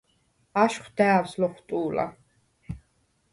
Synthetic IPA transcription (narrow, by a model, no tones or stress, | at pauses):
aʃχʷd̪ɛːwslɔχt̪ʼuːla̰